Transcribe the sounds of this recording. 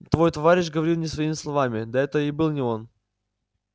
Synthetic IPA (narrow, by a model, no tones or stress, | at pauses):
t̪vo̞jt̪ɐvaɾʲɪɕ̬ʲɡəvɐɾʲilˠnʲɪsvɐimʲɪslˠɐvamʲɪd̪ɐɛt̪əɪbɨlˠnʲɪo̞n